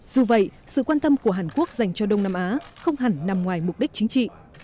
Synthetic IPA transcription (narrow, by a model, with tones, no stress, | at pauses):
z̥u˨˩və̰˧˨jsɨ̰˧˨kwaː˧nt̪ə˧mku˧˩əɦaː˨˩nku˦˥ək̚za˨˩jŋ̟t͡ɕɔ˧ɗə˧wŋ͡mnaː˧mʔaː˨˦xə˧wŋ͡mhɦa˨˩ŋna˨˩mŋwaː˨˩jmʊ˨˩k͡p̚ɗi˦˥k̚t͡ɕï˨˦ŋ̟t͡ɕḭ˧˨